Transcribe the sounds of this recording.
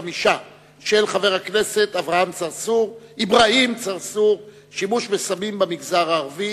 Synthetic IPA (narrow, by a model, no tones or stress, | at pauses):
amiʃa | ʃelχave̞ʁakne̞se̞t̪avʁahamt͡saʁsuʁibʁaimt͡saʁsuʁ | ʃimuʃmesamimbemiɡzaʁaːʁvi